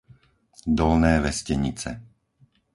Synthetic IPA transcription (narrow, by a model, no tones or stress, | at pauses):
d̪ɔlnɛːʋɛscɛɲit͡sɛ̰